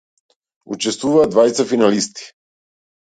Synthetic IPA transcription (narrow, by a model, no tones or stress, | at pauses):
ṵt͡ʃɛst̪vuvaːd̪vajt̪safinalist̪i̥